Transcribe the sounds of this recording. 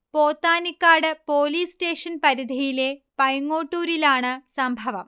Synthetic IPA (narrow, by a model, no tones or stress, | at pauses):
poːt̪ːaːnikːaːɽɨpo̞ːliːste̞ːʂɐnpɐɾid̪ʱijile̞pɐjɐŋːoːʈːuːɾilaːɳɨsɐmbʱɐʋɐ̰m